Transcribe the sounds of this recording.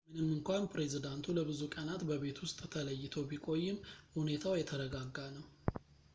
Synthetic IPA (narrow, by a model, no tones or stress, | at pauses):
mɨnɨmːɨŋkʷanpɾe̞zid̪ant̪ʰuləbɨzukʼənat̪bəβe̞t̪wʊst̪ʼt̪ʰələjːɪt̪ʰəwbikʼo̞jːɪmhune̞t̪ʰawjɛt̪ʰəɾəɡaɡːanəw